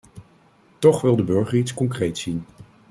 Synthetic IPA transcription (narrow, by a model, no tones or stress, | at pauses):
tɔχʋɪlˠdəbɵɹχəɹitskɔŋkrejtsin